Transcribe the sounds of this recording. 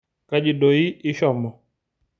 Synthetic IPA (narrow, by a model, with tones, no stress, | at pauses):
ka˦d͡ʒi˨ɗo˨i˦ɪ˦ʃɔ˦˨mɔ˨